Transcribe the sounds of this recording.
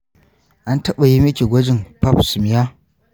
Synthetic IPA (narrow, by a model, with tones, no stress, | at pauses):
ʔa˦ntɐ˦ɓa˨ji˦mɪ˦kʲi˨ɡʷɐ˦d͡ʒɪ˨ŋpɐ˦psɪ˨mɪ˨ja˦